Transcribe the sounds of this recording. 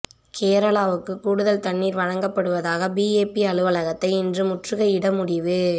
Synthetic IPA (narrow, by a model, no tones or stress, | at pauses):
kʰeːɾɐɭaːʋɯkːɯkuːɽɯðɐlt̪ɐɳːiːɾʋɐɻɐŋɡɐpːɐɽɯʋɐðaːɣɐbiːeːpiɐɻɯʋɐlɐɣɐt̪ːɐɪɪndrɯmʊʈrɯɣɐɪɽɐmʊɽɪʋɯ